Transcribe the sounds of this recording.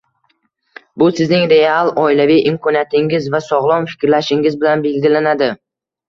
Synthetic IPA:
bʊsɪznɪŋɾe̞alˠɒɪlavijʔɪmkʰɒnijat̪ʰɪŋɪzvasɒʁlˠɒnfɪ̥kʲɾlaʃɪŋɪzbɪlanbe̞lɡʲɪlanad̪ɪ

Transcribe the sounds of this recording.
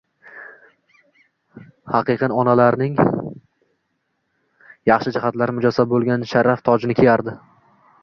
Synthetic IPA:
hɑqɨqɨnɒnalaɾnɪŋ | jɑχʃɪd͡ʒɪhat̪laɾmʊd͡ʒɒsabolˠɡʲanʃaɾːaft̪ʰɒd͡ʒnɪkʲʰejaɾd̪ɪ

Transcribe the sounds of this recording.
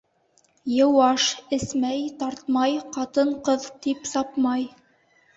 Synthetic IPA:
jɤ̆wɑʃɘ̆smæjt̪ɑɾt̪mɑjqɑt̪ɤɴqɤðt̪ipsɑpmɑj

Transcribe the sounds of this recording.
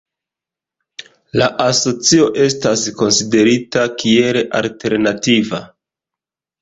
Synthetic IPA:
laʔaso̞t͡sio̞ʔe̞s̬tasko̞nside̞ɾitakie̞ɾeʔa̰lte̞ɾnativa̰

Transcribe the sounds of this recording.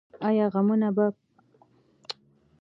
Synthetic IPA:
ajɑɣamunaba

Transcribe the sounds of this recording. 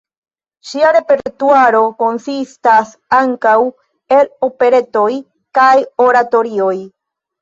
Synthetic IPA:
ʃiaɾe̞pe̞ɾɾt̪uaɾo̞ko̞nsistas | aŋkaw | e̞lo̞pe̞ɾe̞t̪o̞j | kajoɾat̪o̞ɾio̞j

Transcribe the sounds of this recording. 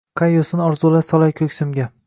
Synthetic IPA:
qʰajːosɪnɒɾzulasɒlˠajkʲʰɵkʲsɪmɡʲa

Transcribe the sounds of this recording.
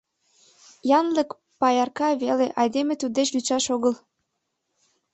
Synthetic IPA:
jɑnlək | pɑjɑrkɑβeleʔɑjd̪emet̪ud̪d̪et͡ɕlyʃɑʃoɣəl

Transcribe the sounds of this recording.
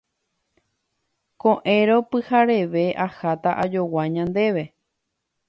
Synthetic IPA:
kõʔẽɾo̞pɨhaɾe̞ʋe̞ʔahat̪aʔad͡ʒo̞waɲãnd̪e̞ʋe̞

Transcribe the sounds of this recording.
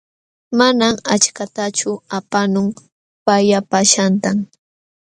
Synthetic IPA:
manamat͡ʃkat̪at͡ʃʊapanʊŋ | pajapaʃant̪aŋ

